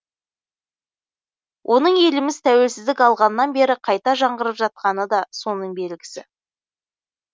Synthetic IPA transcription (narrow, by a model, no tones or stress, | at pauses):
wʔo̞nəɴe̞lɪmɪzt̪ʰæwe̞lsɪzd̪ɪkɑlˠʁɑnəːɑnbe̞ɾɪqʰɑjt̪ɑʒɑɴʁəɾəpʒɑt̪̚qɑnəd̪ɑso̞nəɴbe̞lɡʲɪ̥sɪ